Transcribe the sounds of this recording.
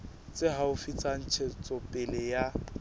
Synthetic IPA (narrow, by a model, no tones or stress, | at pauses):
t͡sʼɪɦaʊfit͡sʼan̩t͡ʃʰet͡sʼɔpʼɪlɪja